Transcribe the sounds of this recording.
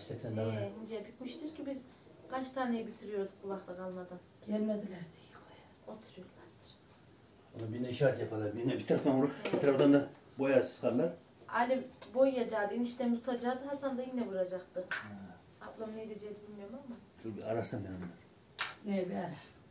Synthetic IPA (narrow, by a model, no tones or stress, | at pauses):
sɛksɛnd̪ɛind͡ʒɛbikmiʃt̪ɯɾcʰibiz | kʰant͡ʃt̪ʰaːnejɛbit̪ʰiɾijo̞ɾd̪ukbulˠaxt̪ʰakʰalˠmad̪an | ɟ̥ɛlʲmed̪ilʲæɾd̪i̥jkʰoja | ot̪ʰuɾujoɾlˠaɾd̪̥ɯ̥ɾ̥ | onubinɛiʃaːt̪japʰalˠaɾbinɛbiɾt̪aɾafd̪anuɾubit̪ʰaɾafd̪and̪a | bojasɯ̥skʰamd̪aɾ | a̰lʲibojjad͡ʒaːd̪ɯiniʃt̪ʰɛmt̪ʰut̪ʰad͡ʒaːd̪ɯɦasand̪ajinɛbuɾad͡ʒakt̪ɯ | aplˠamned̪ed͡ʒɛjd̪ibilʲmijomamḁ | uɾbiaɾaʃsanbiɾamlˠaɾ | ebialɛɾ